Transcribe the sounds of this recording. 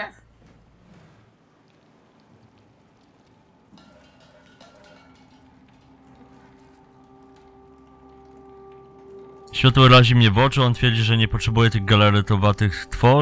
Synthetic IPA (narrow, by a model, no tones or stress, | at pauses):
ɕfʲat̪ɔvɾaʑimɲɛvɔt͡ʂɘɔnt̪fʲjɛɾd͡ʑiʐɛɲɛpɔtʂɛbujɛt̪ɘɣɡalɛɾɛt̪ɔvat̪ɘxst̪fɔ